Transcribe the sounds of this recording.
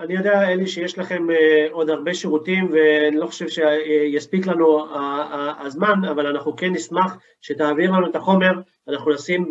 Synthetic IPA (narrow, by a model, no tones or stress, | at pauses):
anijo̞d̪eaeliʃejeʃlaχe̞mo̞d̪haʁbe̞ʃeʁut̪imveanilo̞χo̥ʃe̞vʃejaspiklanuaaazmanavalanaχnuke̞nːismaχ | ʃet̪aːviʁlanuet̪aχo̞me̞ʁ | anaχnunasim